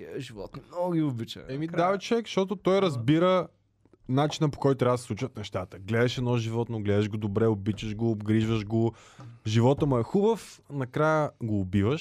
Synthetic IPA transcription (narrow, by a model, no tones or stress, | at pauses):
ʒivɔ̰t̪mnɔɡiobit͡ʃɛmid̪avit͡ʃɛkʃt̪ɔt̪ot̪ɔjɾɐzbiɾə | nat͡ʃinəpo̥kɔjt̪ʊt̪ɾab̪ssˠut͡ʃvət̪nɛʃt̪at̪əɡlɛd̪ɐʃɛd̪nɔʒivɔt̪noɡlɛd̪əʒɡod̪obɾɛobit͡ʃəʒɡoːbɡɾiʒvəʒɡo | ʒivɔt̪əmɐɛxubəfnɐkɾajəɡoːbivəʃ